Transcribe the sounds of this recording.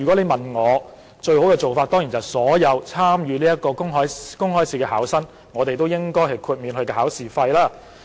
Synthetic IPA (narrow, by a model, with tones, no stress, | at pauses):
y˨˩kɔ˨˥le˨˧jmɐ˨nŋɔː˨˧ | t͡ʃɵ˧ɥho˨˥wkɛː˧t͡so˨wfaː˧t̚t̪ɔː˥ŋji˨˩nt͡sɐ˨˩wsɔː˨˥jɐ˨˧wt͡sʰaː˥mjyː˨˧niː˥jɐ˥t̚kːɔː˧kʊ˥ŋɦɔː˨˥jkʊ˥ŋhɔː˨˥jsiː˨kɛː˧haː˨˥wsɐ˥n | ŋɔː˨˧t̪e˨jt̪o˥wjɪ˥ŋkɔː˥jɦɐ˨jkʰuː˧t̚miː˨˧nhɵ˧kɛː˧˩aː˨˥wsiː˨fɐ˧jlaː˥˩